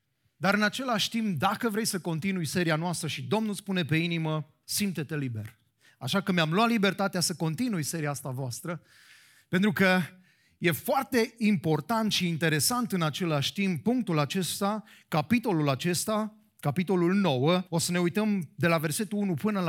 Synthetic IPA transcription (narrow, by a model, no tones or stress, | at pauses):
d̪aɾɨnat͡ʃe̞laʃʲt̪impd̪akəvɾe̞jsəko̞nt̪inujse̞ɾianoast̪ɾəʃid̪o̞mnulspune̞pe̞inimə | simt̪et̪e̞libe̞̰r | aʃakəmeamlwat̪libe̞rt̪at̪easəko̞nt̪inujse̞ɾiaast̪avoast̪ɾə | pe̞nt̪ɾukə | je̞foart̪e̞impo̞rt̪ant̪ʃiːnt̪e̞ɾe̞sant̪ɨnat͡ʃe̞laʃʲt̪impːuŋk̚t̪ulat͡ʃe̞st̪akapit̪o̞lulat͡ʃe̞st̪a | kapit̪o̞lulno̞wəo̞səne̞ujt̪əmd̪e̞lave̞rse̞t̪uunupɨnəl